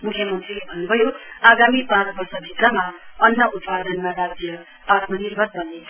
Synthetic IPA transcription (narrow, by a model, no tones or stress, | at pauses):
mukʰjʌmʌnt̪rilebʱʌnːubʱʌjoaɡamipãt͡sbʌrsʌbʱit̪rʌmaʌnːʌʔut̪pad̪ʌnmaɾad͡zjʌ | at̪mʌnirbʱʌd̪̚bʱʌnːe